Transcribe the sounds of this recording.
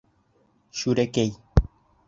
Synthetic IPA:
ʃuɾekej

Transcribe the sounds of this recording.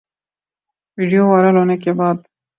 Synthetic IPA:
wiɖijowaɾəlonək̬ebɑd̪̚

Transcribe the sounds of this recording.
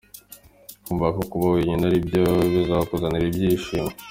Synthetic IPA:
kuːɱvakokuβaweɲinaɾibɟoβozaβakozaniɾibɟiːʃiːme

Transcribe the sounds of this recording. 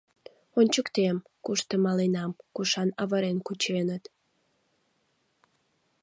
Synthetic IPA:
onʲt͡ɕəkt̪em | kuʃt̪əmɑlenɑmkuʃɑnɑβəɾenkut͡ɕenət̪

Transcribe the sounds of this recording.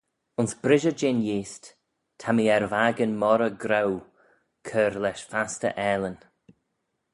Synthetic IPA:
ʊnsb̥ɾɪʒəd͡ʒɪnjiːst | tʰamiɛɾvaːɡənmɔɾəɡɾaw | kʰəɾlɛʃfastə̰ʔɛːlən

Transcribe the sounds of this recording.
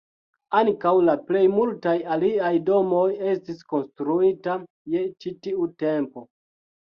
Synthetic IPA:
aŋkawlaple̞jmultajaliajdo̞mo̞je̞stisko̞nstɾuita | je̞t͡ʃitiute̞mpo̞

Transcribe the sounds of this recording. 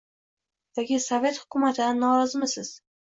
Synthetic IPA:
d̪̥aɡʲɪsove̞t̪hʊkʲʰʊmat̪ʰɪd̪anːɒɾɒzɪmɪsɪz̥

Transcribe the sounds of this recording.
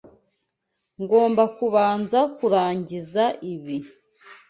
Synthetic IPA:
ŋɡo̞ːmbakuβaːnzakuɾaːɲɟizaʔiβi

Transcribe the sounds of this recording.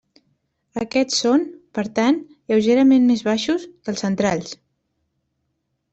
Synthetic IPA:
əkɛt̪sonpəɾt̪an | jəwʒeɾəmenmezβaʃuskəlˠsənt̪ɾaʎs

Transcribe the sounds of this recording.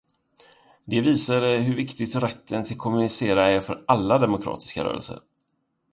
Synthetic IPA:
d̪ɛviːsad̪əɦɵɾvɪkt̪ɪɡt̪ɾɛt̪ːənt̪ʰɪlkʰɔmɵnɪseːɾaæɾfœɾʔalːad̪ɛmʊkʰɾɑ̰ːt̪ɪ̥ska̰ɾœ̰ːɾə̰lsə̰ɾ

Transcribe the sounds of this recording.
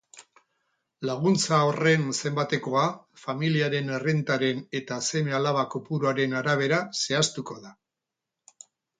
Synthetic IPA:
laɣ̞unt͡saore̞nse̞mbat̪e̞ko̞afamiliaɾe̞nerent̪aɾe̞ne̞t̪ase̞me̞alaβ̞akopuɾoaɾe̞naɾaβ̞e̞ɾase̞ast̪uko̞ða

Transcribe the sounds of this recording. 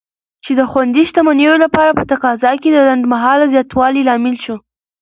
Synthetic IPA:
t͡ʃed̪əxwand̪iʃt̪amanejolapɑɾapət̪aqɑzɑked̪əland̪maɦɑlzjɑt̪wɑlilɑmɪlʃo

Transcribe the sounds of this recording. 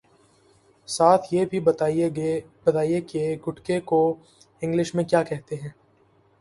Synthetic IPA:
saːt̪ʰjeːbʱiɐ | bɐt̪aːijekeɡʱʊʈkeko | ɪ̃ŋɡlɪʃmẽkjaːkɛɦt̪eɦɛ̃ː

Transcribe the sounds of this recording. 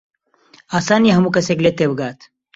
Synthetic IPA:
aːsaːnjeɦɐmukɐseɡlet̪ebɡaːt̪

